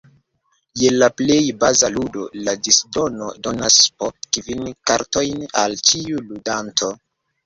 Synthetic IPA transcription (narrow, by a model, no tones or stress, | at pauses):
je̞laple̞jbazaludo̞ladisdo̞no̞do̞naspotkvinkaɾto̞jna̰lt͡ʃiuludantʰo̞